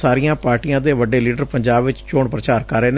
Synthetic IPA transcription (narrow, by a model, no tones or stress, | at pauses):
saːɾiːãːpaːɾʈiːãːd̪eːʋəɖeːliːɖəɾpəɲd͡ʒaːbʋɪt͡ʃt͡ʃoːɳpɾət͡ʃaːɾkəɾeːn